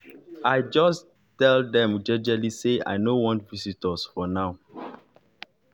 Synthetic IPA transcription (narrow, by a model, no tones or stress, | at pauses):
ajd͡ʒɔs | tɛldɛ̃md͡ʒɛd͡ʒɛlisea̰ɪnowɔ̃ntvisitɔsfɔnaʊ